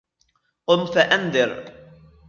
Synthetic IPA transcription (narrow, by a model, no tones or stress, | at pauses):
qʊmt̪aʔanðɨɾ